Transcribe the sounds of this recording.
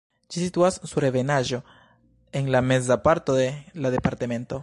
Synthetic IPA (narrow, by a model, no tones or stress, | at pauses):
d͡ʒisituassuɾe̞venaʒo̞ | e̞ŋlame̞zapaɾto̞delaðe̞paɾtame̞nto̞